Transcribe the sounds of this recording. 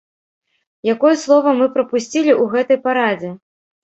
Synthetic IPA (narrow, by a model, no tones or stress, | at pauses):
jakɔjɛslˠɔvɐmɨpɾɐpusʲt͡sʲilʲiʔuɣɛt̪ɐjpaɾad͡zʲɛ